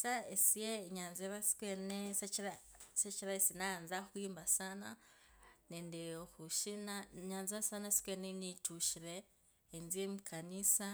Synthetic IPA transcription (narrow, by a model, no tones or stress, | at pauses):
saesijeɲaːnzeβasi̥kweneseɾaset͡ʃiɾaesinanzaxwimbasana | nendeoxuʃinaɲaːnzasanasi̥kwenenituʃiɾeː | nziemukʰanisa